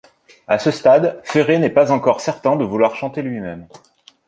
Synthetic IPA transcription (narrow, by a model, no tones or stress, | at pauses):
asəst̪ad̪feʁenɛpazɑ̃kɔʁsɛʁt̪ɛ̃d̪əvulwaʁʃɑ̃t̪elɥimɛm